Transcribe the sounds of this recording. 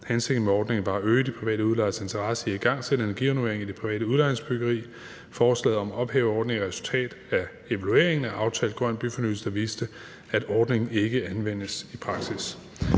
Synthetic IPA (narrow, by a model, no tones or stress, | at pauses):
hænse̝ɡ̥n̩meɒːd̥ne̝ŋn̩ʋɑ̈øːd̥ipʰʁiʋɛ̰ːɾəuðˠlɑ̈ɪse̝nt͡sʰɐʁɑ̈səiiɡ̥ɑ̈ŋ̰sed̥əenæɐɡ̥iʋænue̝ɐeŋid̥e̝pʰiʋɛ̰ːd̥əuðˠlɑ̈ɪeŋsb̥yɡ̥ɐʁḭː | fɒːslɛ̰ːð̩ˠɒ̽mɒ̽b̥heːʊɒːd̥ne̝ŋiʁɛsu̥lt͡sʰɛ̰ːd̥æ | e̝ʋælue̝ɐ̰eŋn̩æʔɑ̈ʊt͡sʰɛ̰ːld̥̚ɡ̥ʁɶn̰b̥yfɒnyðl̩sd̥ɐʋiːsd̥ə | æd̥ɒːd̥ne̝ŋn̩e̝ɡ̥əænʋen̰əsipʰʁɑ̈ɡ̥sis